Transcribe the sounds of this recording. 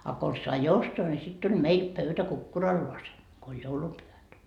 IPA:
ɑ kons sɑi ostoɑ nʲi sit tulʲ meil pøytæ kukːurɑlːoɑsen ko olʲ joulupyhæt

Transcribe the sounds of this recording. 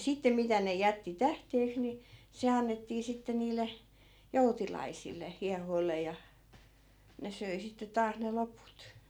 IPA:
sitːe mitæ ne jætːi tæhteːks ni se ɑnːetːiː sitːe niːlˑe joutilɑisilˑe hiɑhoilːe jɑ ne søi sitːe tɑːs ne loput

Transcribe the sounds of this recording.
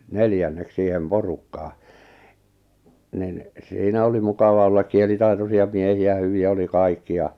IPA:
neljænːek siːhem porukːɑː nin siːnæ oli mukɑʋɑ olːɑk kielitɑitosiɑ miehiæ hyʋiæ oli kɑikːi jɑ

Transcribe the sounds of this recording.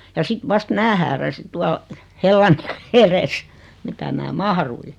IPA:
jɑ sit ʋɑst mæː hæːræsi tuɑl helːɑn eres mitæ mæː mɑhrui

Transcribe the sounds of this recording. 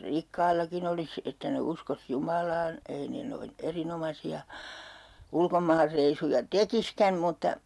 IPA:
rikːɑilːɑkin olis etːæ ne uskos jumɑlɑːn ei ne noin erinomɑsiɑ ulkomɑːrːeisujɑ tekiskæm mutːɑ

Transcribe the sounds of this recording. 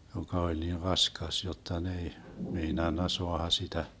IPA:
jokɑ olʲ niːr rɑskɑs jotːɑ n ei meinɑnːɑ soɑhɑ sitæ

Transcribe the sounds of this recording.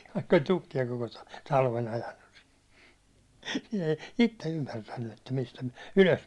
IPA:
ʋɑikː olʲ tukːiɑ koko tɑ tɑlʋen̞ ɑjɑnːus si̥ nĭ ei itːe ymːærtænːy etːæ mistæ myæ̹ yløs

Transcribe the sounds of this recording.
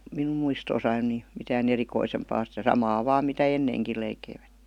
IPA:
minum muistoːsɑin ni mitæːn erikoisempɑː sitæ sɑmɑː ʋɑːm mitæ enːeːŋkil leikeiʋætːe̥

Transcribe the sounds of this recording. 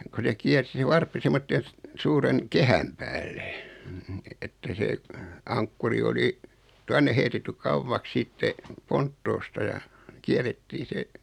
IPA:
ko se kiærsi se ʋɑrpːi semːotːen̞ s suːren kehæm pæːlːe̥ etːæ seː ɑŋkːuri oli tuɑnːe heitetːy kɑuʋːɑks sitːe pontːoːstɑ jɑ kiæretːiː se

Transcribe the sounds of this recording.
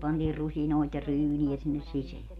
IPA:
pɑntiːr rusinoˑit jɑ ryːniæ sinːes siseæ

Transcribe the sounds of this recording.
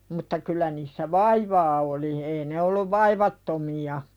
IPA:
mutːɑ kylˑæ niːsːæ ʋɑiʋɑː oli ei ne olːuʋ ʋɑiʋɑtːomiɑ

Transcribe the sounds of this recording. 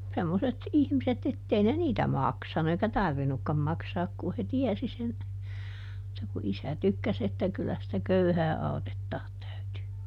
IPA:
semːoset ihmiset etːei ne niːtæ mɑksɑnu eikæ tɑrʋinukːɑm mɑksɑːk kuh he tiɛsi sen mutːɑ ku isæ tykːæs etːæ kylːæ sĭtæ køyhæː ɑutetːɑːt tæytyː

